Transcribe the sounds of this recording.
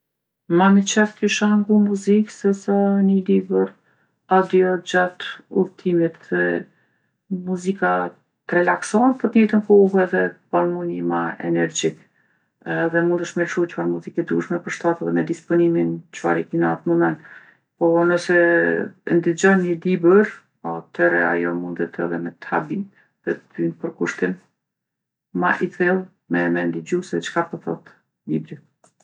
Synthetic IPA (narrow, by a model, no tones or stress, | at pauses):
mamit͡ʃɛfk̪iʃaŋɡumuziksɛsanilibəɾ | ad̪iɔd͡ʑat̪uɾt̪ʰimit̪ðɛ | muzika | t̪ɾɛlaksɔnpəɾt̪jɛt̪ənkɔɦɛðɛbalmunimaɛ̰nɛɾd͡ʑikː | ðɛmund̪əʃmɛɾʃut͡ʃfaɾmuzikɛd̪uʃmɛpəɾʃt̪at̪ɛðɛmɛd̪ispɔnimint͡ʃəfa̰ɾikinat̪mɔmɛn | pɔnəsɛ | nd̪id͡ʑɔmɲəlibəɾ | ɔt̪ʰɛɾɛ̰a̰jɔmund̪ɛt̪ʰɛ̰ðɛmɛt̪a̰bi | ðɛt̪əd̪ynpəɾkuʃt̪im | aʔit̪ɾilˠ | mɛmɛnd̪id͡ʑusɛðɛt͡ʃkat̪əθɔ̰t̪ | libɾi